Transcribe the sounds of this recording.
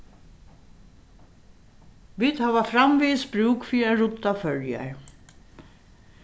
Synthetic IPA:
ʋiːt̪haːʋafɾamviːsbɾuːkfiːɾɪɾaɾʊt̪ːafœɹja̰ɹ

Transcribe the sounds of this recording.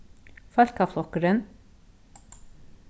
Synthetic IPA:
fœlkaflˠɔkəɾən

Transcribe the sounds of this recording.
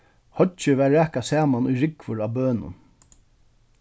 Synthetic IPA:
hœt͡ʃɪvæːɹːɛːkasaːmanʊjɾɪkvʊɾaːbøːnʊ̰n

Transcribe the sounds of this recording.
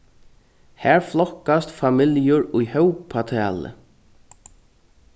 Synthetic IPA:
hæːɹflɔhkast̪famɪljʊɹʊjhœwkpʰat̪ʰɛːlə̰

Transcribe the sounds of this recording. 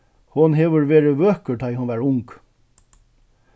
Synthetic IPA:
hʊnɦeːʋəɾʋeːɾəʋøːkət̪ʰaɪhʊnʋæːɾʊŋk

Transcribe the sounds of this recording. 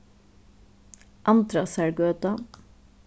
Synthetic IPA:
ʔɑnt̪ɾɑsæɽɡøːt̪ɑ

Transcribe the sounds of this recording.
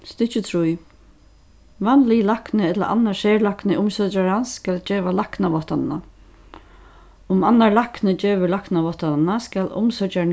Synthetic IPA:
st̪it͡ʃɪt̪ʰɾuj | vanlilaknɪɛt̪la̰ʔa̰nːaseːɾlahknɪʔʊmsœt͡ʃaɹansːkald͡ʒeːʋalahknaʋɔt̪anna | ʊmanːaɹlaknɪd͡ʒeːʋɪlaknaʋɔht̪annaskalʊ̰msœt͡ʃa

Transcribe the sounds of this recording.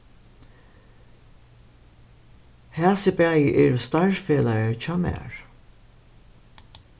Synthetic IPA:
hæːsəbæːjəʔɛːɹst̪ɑɹfeːlaət͡ʃʰɑːmæ̰ːɹ

